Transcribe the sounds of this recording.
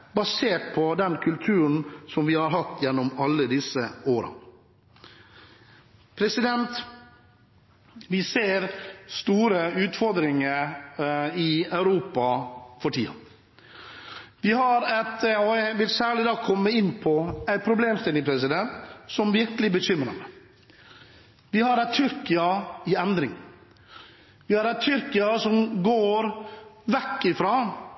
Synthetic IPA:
bɑseːʈ̚pʰɔd̪ɛnkʰʉlt̪ʰʉːɾəɳ̩sɔmʋɪhɑɾɦɑt̪ːjɛnːɔmɑlːəd̪ɪsəoːɾɑ̰ | pʰɾɛsɪd̪ɛnt̪ | ʋɪseːɾst̪uːɾəʉːt̪fɔɾd̪ɾɪŋəɾ | ɪɑʉɾuːpɑfɔʈʰḭːɑ̰ | ʋɪɦɑɾɛt̪ɔjæʋɪlsæːɭɪd̪ɑːkʰɔmːəɪnːpʰɔæɪpʰɾʊbleːmst̪ɪlɪŋəpʰɾɛs̬ɪd̪ɛnt̪sɔmʋɪɾkəlɪbəɕʏmɾəmɛ | ʋɪhɑɾæɪt̪ʰʏɾkɪɑɪɛnd̪ɾɪŋ | ʋɪhɑɾæɪt̪ʰʏɾkɪɑsɔmɡoːɾʋɛkːɪfɾɑː

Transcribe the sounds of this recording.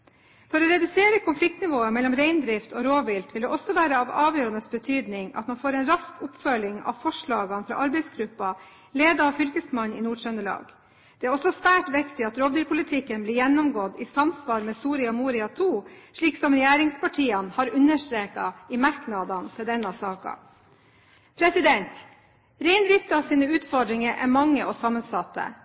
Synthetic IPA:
fɔɾɔɾɛd̪ʉseːɾəkʰʊnflɪk̚t̪nɪʋoːəmɛlːɔmɾɛɪnd̪ɾɪft̪ʰɔɾoːʋɪlt̪ʋɪld̪ɛʔɔsːɔʋæːɾəɑʋɑːʋjøːɾɑnəsbət̪ʰyːd̪nɪŋɑ̰t̪mɑnfoːɾɛnɾɑskʰʊpfœlɪŋɑ̰ʋfɔʂɭɑːɡɑnfɾɑ̰ːʔɑɾbɛɪsɡɾʉpːɑ | leːd̪əɑʋfʏlkəsmɑnɪ̰nuːɖʂœnəɭɑ̰ːɡ | d̪̥ɛæɾɔsɔsʋæːʈʋɪkt̪ɪɑt̪ɾoːʋd̪yːɾpʰʊlɪt̪ʰɪkːənblɪːɾjɛnːɔmɡɔd̪ɪsɑmsʋɑːɾmɛːsuːɾɪɑmuːɾɪɑt̪ʰuːʂɭiːksɔmɾɛjæːɾɪŋspɑʈʰiːɑnhɑɾʉnːəʂʈ̪ɾeːkɑ̰ɪmɑɾknɑd̪ɑnt̪ʰɪld̪ɛnːɑsɑːkɑ̰ | pʰɾɛsɪd̪ɛnt̪ | ɾɛɪnd̪ɾɪft̪əɑsiːnəʉːt̪fɔɖɾɪŋəɾʔæɾmɑŋːəʔɔsɑmːənsɑt̪ːə̰

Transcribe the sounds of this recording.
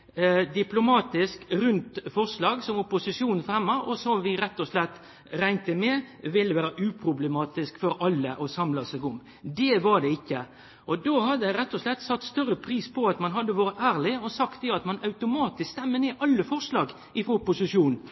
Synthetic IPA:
d̪ɪplʊmɑːt̪ɪskɾʉnt̪fɔɾʂlɑːɡsɔmʊpʊsɪʂjuːnn̩fɛmːɑʔɔsɔmʋɪɾɛt̪ːɔslɛt̪ː | ɾæɪnt̪əmɛ | ʋɪlːəʋæːɾəʔʉːpʰɾʊblɛmɑːt̪ɪskfɔɾɑlːəʔɔsɑmlɑsɛɡʊm | d̪ɛʋɑd̪ɛɪkːə | ʔɔd̪oːhɑd̪ːəæɾɛt̪ːɔslɛt̪ːsɑt̪ːst̪œɾəpʰɾiːspʰɔɑt̪mɑnɦɑd̪ːəʋɑːɾət̪æːɾlɪɔsɑkt̪ɛɑt̪mɑnɑʉt̪ʊmɑːt̪ɪsst̪ɛmːəneːʔɑlːəfɔɾʂlɑːɡ | ɪfɾoːʊpʊsɪʂjuːnn̩

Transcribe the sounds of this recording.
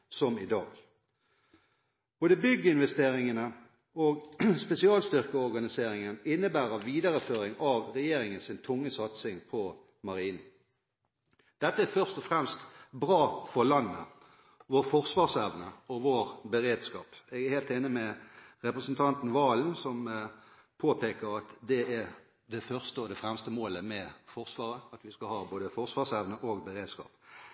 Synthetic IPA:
sɔmɪd̪ɑ̰ːɡ | b̥oːd̪əbʏɡːəɪnʋɛst̪eːʁɪŋənə | oɡspɛsɪɑːlst̪ʏʁkəɔʁɡɑnɪseːɾɪŋənɪnːəbæːʁəʋiːd̪ɑʁəføːɾɪŋɑʋʁɛjeːɾɪŋənsɪnt̪ʰʊŋːəsɑt̪sɪŋpʰɔ | mɑʁiːn̩ | d̪̥ɛt̪ːəæːfœʁst̪ɔfʁɛmst̪bʁɑːfɔʁlɑnːə̰ | ʋoːʁfɔʁsʋɑːʁsɛʋnəɔʋoːɾbəʁeːd̪skɑːpɛɡæheːlt̪ɪnːəmɛʁɛpʁəsnt̪ʰɑnt̪n̩ʋɑːlnsɔm | pʰoːpeːkəɾɑt̪d̪ɛæ | d̪ɛfœʁst̪əɔd̪ɛfʁɛmst̪əmoːləmɛfɔʁsʋɑːʁəɑt̪ʋɪskɑlhɑːboːd̪əfɔʁsʋɑːʁsæʋnəʔoːɡbəʁeːd̪skɑ̰ːp

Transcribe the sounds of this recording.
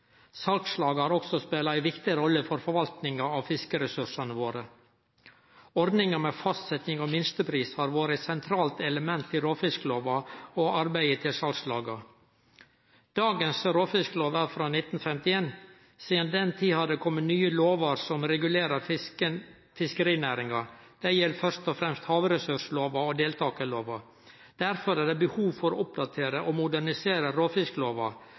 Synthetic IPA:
sɑlkslɑːɡhɑːɾɔksɔspeːlɑæɪʋɪkt̪ɪɾɔlːəfɔɾfɔɾʋɑlt̪nɪŋɑɑʋfɪskəɾɛsʉʂɑnəʋoːɾə | ɔɾd̪nɪŋɑmɛːfɑst̪sɛt̪nɪŋɔmɪnst̪əpʰɾiːshɑɾʋoːɾət̪sɛnt̪ʰɾɑːlt̪ɛləmɛnt̪ʰːɪɾoːfɪskəloːʋɑoɑɾbæɪət̪ʰɪlsɑlkslɑ̰ːɡɑ | d̪̥ɑːɡənsɾoːfɪskloːʋɑfɾɑːnɪt̪n̩fɛmt̪ɪeːn | siːd̪ənd̪ɛnt̪ʰiːhɑd̪d̪ɛkʰɔmːənyːəloːʋɑɾsɔmɾɛɡʉleːɾə | fɪskəɾiːnæːɾɪŋɑd̪̥æjɛlːəfœɾst̪ɔfɾɛmst̪hɑːʋɾɛsʉʂloːʋɑɔd̪eːlt̪ʰɑːkəloːʋɑ | d̪̥æɾfɔɾæɖɛbəhuːʋfɔɾʊp̚d̪ɑt̪ʰeːɾəʔɔmʊd̪æɳɪseːɾəɾoːfɪskəloːʋɑ

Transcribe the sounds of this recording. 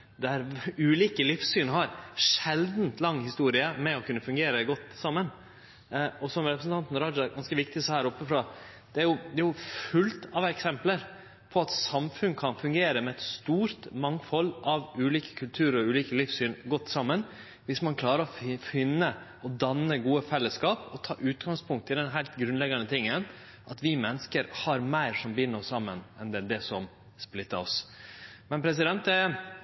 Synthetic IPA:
d̪æɾʉːliːkəlɪfsːyːnhɑɾʂɛld̪n̩t̪lɑŋːhɪst̪uːɾɪəmɛɔkʉnːəfʉŋɡeːɾəɡɔt̪ːsɑmːən | ɔsɔmɾɛpɾəsn̩t̪ɑnt̪n̩ɾɑd͡ʒɑɡɑnskəʋɪkt̪ɪshæːɾɔpːəfɾɑ | d̪̥ɛæɾjʊd̪ɛæɾjʊfʉlt̪ɑʋɛksɛmpləɾ | pʰɔɑt̪sɑmfʉnkʰɑnfʉŋɡeːɾəmɛɛt̪st̪uːɾt̪mɑŋfɔlːʔɑʋʉːliːkə̥kʰʉlt̪ʰʉːɾɔʉːliːkəlɪfsyːnɡɔt̪ːsɑmːən | ʋɪsmɑnkʰlɑːɾəɾɔfɪnːə | ɔd̪ɑnːəɡuːəfɛlːəskɑːpɔt̪ʰɑ̰ːʔʉːt̪ɡɑŋspʰʊŋk̚t̪ɪld̪ɛnɦæɪlt̪ɡɾʉnlɛɡɑnət̪ʰɪŋːən | ʔɑt̪ʋɪmɛnːəskəɾhɑɾmæɪɾʂɔmbɪnːəɔssɑmːənɛnd̪ɛd̪ɛsɔm | splɪt̪ːəɾɔs | mɛnpʰɾɛs̬ɪd̪ɛnt̪ɛ

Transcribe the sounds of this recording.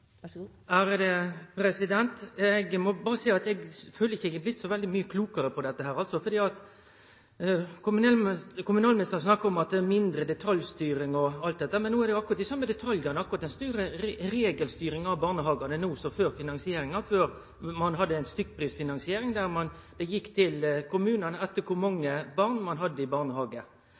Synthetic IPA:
æːɾd̪ɛpʰɾɛsɪd̪ɛnt̪ɛɡmɔbɑːɾəsɛɪɑt̪ɛɡføːləɪçːɪçəblɪt̪ːsɔʋɛld̪ɪmyːəkʰluːkəɾəpʰɔd̪ɛt̪ːəɦæːɾɑlt̪sɔfɔɾd̪iːɑt̪ | kʊmnɛkʰʊmʉnɑːlmɪnɪst̪əɾsnɑkːɑɾɔmɑt̪̚d̪ɛæɾmɪnd̪ɾəd̪ɛt̪ʰɑljst̪yːɾɪŋɔɑlt̪̚d̪ɛt̪əæʁmɛnːuːæɛɾd̪ɛjʊɑkʊɾɑt̪ɪsɑmːəd̪ɛt̪ʰɑljɑnəɑkːʊʁɑt̪ɛnst̪ʉːɾəɾeːɡəlst̪yːɾɪŋɑʋbɑːʁnəɦɑːɡɑnənuːsɔføːɾfɪnɑnsɪeːɾɪŋɑføːɾ | mɑnɦɑd̪ːəæɪnst̪ʏkːpʰɾiːsfɪnɑnsɪeːɾɪŋd̪æɾmɑn | d̪̥ɛjɪkːt̪ʰɪlkʰʊmʉːnɑnɛt̪ːəɾkʰʊɾmɑŋːəbɑʁnmɑnɦɑd̪ːəɪbɑːʁnəhɑːɡə

